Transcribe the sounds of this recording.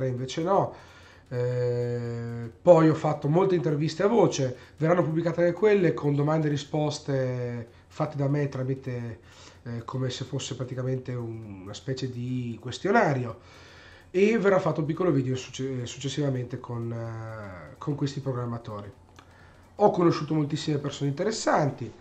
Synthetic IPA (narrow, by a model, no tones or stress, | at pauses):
ɾeiɱveːt͡ʃenɔ | pɔjɔfːat̪ːomolt̪eint̪ervist̪eavoːt͡ʃe | verːanːopubːlikaːt̪eaŋkekwelːekʰond̪omand̪eɾispɔst̪e | fat̪ːed̪amet̪ɾamit̪e | kʰomesefosːepɾat̪ikament̪eunnaspɛːt͡ʃed̪ikwest̪jonaːɾjo | everːafːat̪ːoump̬ikːoloviːd̪eosu̥esu̥t͡ʃːesːivament̪ekʰon | kʰoŋkwest̪ipɾoɡɾamːat̪oːɾi | ɔkːonoʃːuːt̪omolt̪isːimepersoːneint̪eɾesːant̪i